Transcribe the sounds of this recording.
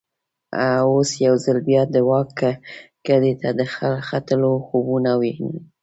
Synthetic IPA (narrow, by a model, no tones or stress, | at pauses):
aosjawzalbjɑd̪əwɑk | ɡ̥adet̪ad̪əxalxat̪əloxobunaweni